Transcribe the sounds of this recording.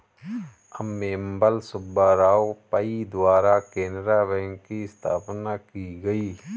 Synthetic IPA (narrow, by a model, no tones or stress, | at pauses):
əmːeːmbəlsʊbaːɾaːopəid̪waːɾakeːnɾaʋɛ̃ːŋkkiɪst̪ʰa̰ːpnakiɡəiː